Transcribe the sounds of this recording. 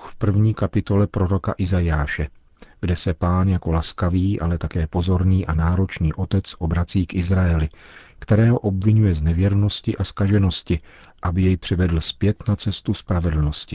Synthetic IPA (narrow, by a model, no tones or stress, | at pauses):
xfpr̩vɲiːkapɪt̪o̞lɛpɾoɾo̞kaʔɪzajaːʃɛ | ɡdɛsɛpaːnjako̞laskaviːʔa̰lɛt̪akɛːpo̞zo̞ɾniːʔanaːɾo̞t͡ʃniːʔo̞t̪ɛt͡sʔo̞bɾat͡siːkʔɪzɾajɛlɪkt̪ɛɾɛːɦo̞ʔo̞bvɪɲujɛznɛvjɛɾno̞scɪʔaskaʒɛno̞scɪ | ʔabɪjɛjpr̝̥ɪvɛdl̩spjɛt̪nat͡sɛst̪uspɾavɛdl̩no̞scɪ̥